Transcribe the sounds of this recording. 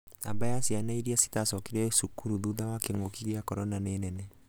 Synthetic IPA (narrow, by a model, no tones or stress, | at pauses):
a̰mbajasianaiɾiasi̥tasɔkeɾɛsukuɾuðuðawakeŋokiɣiakɔɾɔnanenɛnɛ